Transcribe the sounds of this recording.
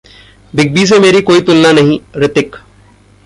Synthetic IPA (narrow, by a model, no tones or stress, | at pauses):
biɡ̚biːsemeɾiːkoiːt̪ulnanaɦĩɾɪt̪ek